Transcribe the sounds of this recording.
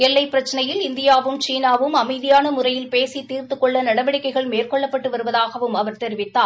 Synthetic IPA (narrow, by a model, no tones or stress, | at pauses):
ɛlːɐɪpːɪɾɐt͡ʃːɐnɐjɪlɪnd̪ɪjaːʋɯmt͡ʃiːnaːʋɯmɐmɐɪðɪjaːnɐmʊrɐjɪlpeːsit̪ːiːrt̪ɯkːɔɭːɐnɐɽɐʋɐɽɪkːɐɪɣɐɭmeːrkɔɭːɐpːɐʈːɯʋɐɾɯʋɐðaːɣɐʋɯmɐʋɐɾt̪ɛɾɪʋɪt̪ːaː